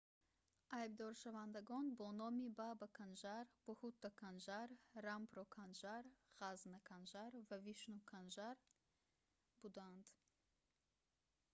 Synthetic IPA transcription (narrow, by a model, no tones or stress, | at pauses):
ajb̚d̪ɔɾʃavand̪aɡɔnbɔnɔmibabakʰanʒaɾb̥ɔhut̪ːakʰanʒaɾːampɾɔkʰanʒaɾʁ̥aznakʰanʒaɾvaviʃnukʰanʒaɾ | bud̪and̪